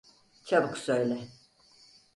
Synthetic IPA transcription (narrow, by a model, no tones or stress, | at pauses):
t͡ʃʰabɯksøjlʲɛ